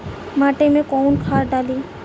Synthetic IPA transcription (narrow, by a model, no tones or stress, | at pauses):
maʈemekɔwnkʰaɾɖali